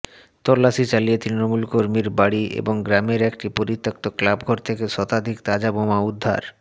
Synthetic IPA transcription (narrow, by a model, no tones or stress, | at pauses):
t̪ɔlːaʃit͡ɕaliet̪ɾinomulkoɾmiɾbaɽiḛboŋɡɾameɾekʈipoɾit̪ːak̚t̪oklabɡʱɔɾt̪ʰekeʃɔt̪ad̪ʱikt̪ad͡ʑabomaud̪ʱːa̰ɾ